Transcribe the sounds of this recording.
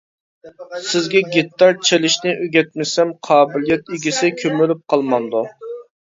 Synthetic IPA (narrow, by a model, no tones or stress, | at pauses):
sɪzɡʲɛɡʲet̪ːɑɾt͡ʃʰelɪʃnɪʔøɡʲɛt̪̚mɪsɛmqʰɑːbɪlijɛt̪̚iɡʲisɪkʲʰømylyp̚qʰɑlˠmɑnd̪u